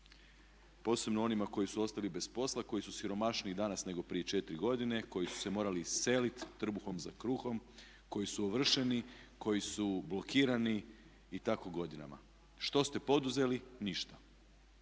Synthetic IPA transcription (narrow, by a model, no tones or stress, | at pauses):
po̞ːse̞bnoo̞nimako̞jisuo̞st̪alibe̞spo̞slˠako̞jisusiɾo̞maʃniːd̪anasne̞ɡo̞pɾijet͡ʃe̞t̪ɾiɡo̞d̪ine̞ko̞jisu̥se̞mo̞ːɾalise̞lit̪ːr̩buxo̞mzakɾuːxo̞m | ko̞jisuoʋr̩ʃe̞niko̞jisublˠo̞kiːɾaniː | t̪ako̞ɡo̞d̪ina̰ma̰ | ʃt̪o̞st̪e̞po̞d̪uze̞liniʃt̪ḁ